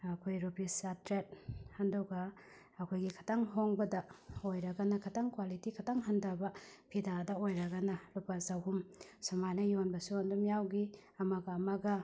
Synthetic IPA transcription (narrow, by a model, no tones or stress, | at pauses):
ɐkʰojɾupisatɾet̚hɐndɐwɡɐː | kʰojɡikʰɐ̥taŋɦoŋbɐdɐojɾɐɡɐnɐkʰɐtaŋkwalitikʰɐtaŋɦɐndɐbɐpʰidadɐojɾɐɡɐnɐlupɐzɐwɦumsɐmajnɐjonbɐsuandumjawɡi | ɐmɐɡɐːmɐɡɐ